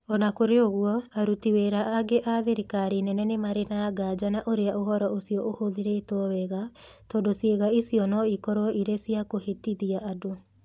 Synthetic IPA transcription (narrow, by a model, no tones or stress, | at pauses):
ɔnakoɾeoɣuɔaɾutiweːɾaʔːɡeʔaðeɾikaɾinɛnɛnemaɾenaɡad͡ʒanaʔoɾeaʔoɦɔɾɔʔosiɔʔohoðiɾɛːtoɔwɛɣatɔːdosjeɣaisiɔnɔikɔɾɔɔʔiɾesiakohetiðiaʔado